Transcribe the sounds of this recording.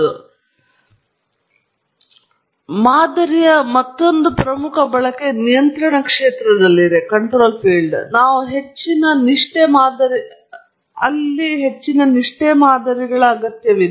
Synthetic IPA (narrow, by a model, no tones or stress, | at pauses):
u | maːd̪ɐɾijɐmɐt̪ːo̞nd̪upɾɐmukʰɐbɐɭɐke̞nijɐnt̪ɾɐɳɐkʂeːt̪ɾɐd̪ɐlːiɾekɐɳʈɾo̞ːlpʰiːɭɖnaːʋuɦe̞t͡ʃːinɐniʂʈemaːd̪ɐɾi | ɐlːiɦe̞t͡ʃːinɐniʂʈemaːd̪ɐɾiɡɐɭɐɐɡɐt̪jɐʋi